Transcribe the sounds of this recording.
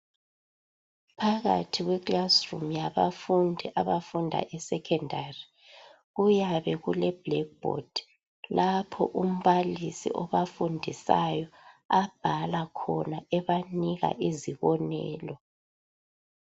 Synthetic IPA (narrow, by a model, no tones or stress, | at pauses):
pʰaɣa̰tʰiɣwɛɡlasrumjaβafundʱiʔaβafundʱa̰ʔɛsɛkʰɛndʱari | ɣujaβɛɣulɛb̥lɛk̚b̥o̰d̥ʱi̥ | lapʰɔ̰ʔum̩βalisḭʔɔβafundʱisajɔab̥ʱalakʰɔnaɛβaniɣa̰ʔiziβɔnɛ̰ːlɔ